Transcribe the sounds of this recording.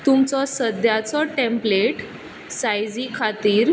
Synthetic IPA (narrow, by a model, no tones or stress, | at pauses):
t̪umt͡sɔsəd̪jat͡sɔʈẽmpleʈ | sajd͡zikʰat̪iːɾ